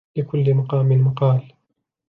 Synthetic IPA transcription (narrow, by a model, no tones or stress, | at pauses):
ɪkʊlːɪmaqɑːmɪnmaqɑːl